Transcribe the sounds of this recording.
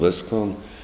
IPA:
ˈʋʲɪskoːn

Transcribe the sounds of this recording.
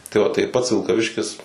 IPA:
ˈtɐɪ oː tɐɪ ˈpɐts ʋʲɪlˠkɐˈʋʲɪʃʲkʲɪs

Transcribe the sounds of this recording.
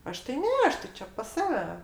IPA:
ˈɐʃ tɐɪ ˈnʲɛ ˈɐʃ tɐɪ ˈt͡ʃʲɛ pɐs ˈsɑːʋʲɛ

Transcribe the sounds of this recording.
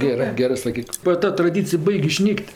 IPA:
ɡʲɛˈrɜ ˈɡʲæːrɜ sɐˈkʲiːk bɐ ˈtɐ trɐˈdʲiːt͡sʲɪj ˈbɐɪkʲ ɪˈʃʲnʲiːkʲtʲ

